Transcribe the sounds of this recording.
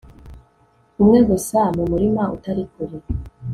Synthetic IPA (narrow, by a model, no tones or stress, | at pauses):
umŋeɡusamumuɾimaṵtaɾikuɾi